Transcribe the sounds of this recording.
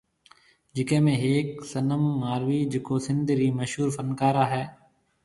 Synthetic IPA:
d͡ʒɪkẽːmẽːɦeːksənəmːaːɾʋiːd͡ʒɪkoːsɪ̃nd̪ʱɾiːməʃɦuːɾfənkaːɾaːɦɛː

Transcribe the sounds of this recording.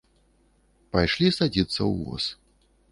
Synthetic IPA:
pajʂlʲisad͡zʲit̪sːɐwvɔ̰s

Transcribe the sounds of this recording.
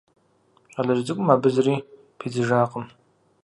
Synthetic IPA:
alaʒd͡zɨkʷʼʊmabɨzri | pʰid͡zɨʐaːqʼəm

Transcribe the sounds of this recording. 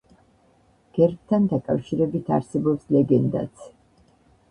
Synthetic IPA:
ɡ̥ɛɾk̚t̪ʰand̪akʼafʃiɾɛbit̪ʰa̰ɾsɛbɔpslɛɡɛnd̪a̰t̪sʰ

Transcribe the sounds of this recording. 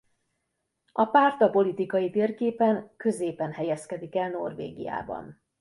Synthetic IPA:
ɒpaːrt̪ɒpo̞lit̪ikɒjit̪eːrkeːpɛŋkø̞zeːpɛnhɛjɛskɛd̪ikɛlno̰rvḛːɡḭja̰ːbɒ̰n

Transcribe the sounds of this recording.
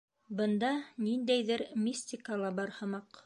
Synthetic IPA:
bɤ̆nd̪ɑnind̪æjðɘɾmʲisʲt̪ʲɪkalˠɑbɑɾhɤ̆mɑq

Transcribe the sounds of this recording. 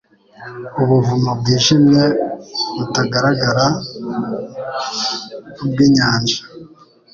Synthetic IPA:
uβuvumab̚ɡiːʒimeβutaɡaɾaɡaɾa | ub̚ɡiːɲaːnʒḁ

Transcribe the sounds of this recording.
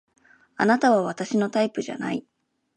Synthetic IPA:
anat̪aβ̞aβat̪aɕino̞t̪aipɯ̟ʑa̰na̰i

